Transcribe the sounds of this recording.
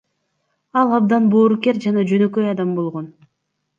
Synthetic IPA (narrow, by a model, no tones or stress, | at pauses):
ɑlˠɑb̚d̪ɑnboːɾuke̞ɾd͡ʒɑnɑd͡ʒønø̞kø̞jɑd̪ɑmbo̞lˠʁo̞n